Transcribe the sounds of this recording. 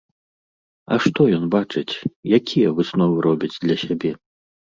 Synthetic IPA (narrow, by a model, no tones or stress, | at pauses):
ɐ̰ʂt̪ɔjɔnbat͡ʂɨt͡sʲjakʲʰijɐvɨsnɔvɨɾʔɔbʲid͡zʲd̪lʲɐsʲabʲɛ